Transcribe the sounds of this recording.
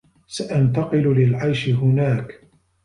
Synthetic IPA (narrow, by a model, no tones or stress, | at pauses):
saʔant̪ɑqɨllɪlʕajʃɪɦʊnaːk